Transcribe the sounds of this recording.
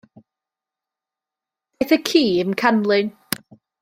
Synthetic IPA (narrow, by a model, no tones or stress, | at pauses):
θəkʰiːənkʰanlˠɪn